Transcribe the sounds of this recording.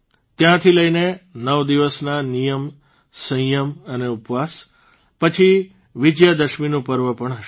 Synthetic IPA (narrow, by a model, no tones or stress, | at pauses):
t̪jãt̪ʰiləinenəʋd̪iʋəsnanijəm | sə̃jəməneupʋas | pət͡ʃʰi | ʋid͡ʒjəd̪əʃminũpəɾʋəpəɳɦəʃ